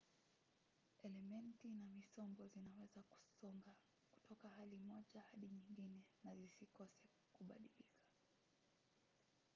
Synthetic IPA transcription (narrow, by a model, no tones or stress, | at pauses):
ɛlɛmɛntinamisɔmbɔzinawɛzaku̥sɔŋɡa | ku̥tʰɔkahalimɔʄahaɗiɲiŋɡinɛnazisikɔsɛ | kuɓa̰ɗilikʰḁ